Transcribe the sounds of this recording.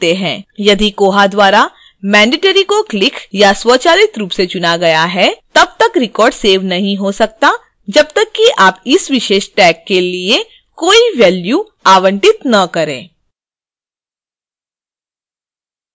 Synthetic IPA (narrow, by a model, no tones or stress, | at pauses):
t̪eɦɛ̃ːjɐd̪ʱikoːɦad̪waːɾa | mɛ̃ːɳɖɪʈəɾikoklɪkjaswɐt͡ʃaːlɪt̪ɾuːpset͡ʃʊnaɡɐjaɦɛt̪ɐb̚t̪ɐkɾɪkɔːɾɖseːʋnɐɦĩɦosɐk̚t̪a | d͡ʒɐb̚t̪ɐkːiʔaːpɪsʋɪʃeːʃʈɛːkːelie | koːiʋɛːlju | aːʋə̃ɳʈɪt̪nɐkɐɾḛ̃ː